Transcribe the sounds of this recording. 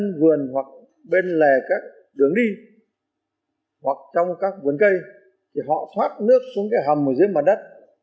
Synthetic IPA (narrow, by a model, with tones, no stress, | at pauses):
nvɨ˨˩ənhwa˨˩k̚ | ɓe˧nlɛ˨˩kaː˦˥k̚ | ɗɨ˨˩əŋɗi˧ | hwa˨˩k̚t͡ɕɔ˧wŋ͡mkaː˦˥k̚vɨ˨˩ənkə˧j | t̪ʰi˨˩ɦɔ̰˧˨t̪ʰwaː˦˥t̚nɨ˦˥ək̚su˧˦ŋka˧˩ɦa˨˩mʔəː˨˩jzəː˨˦jmə˨˩t̚ɗə˦˥t̚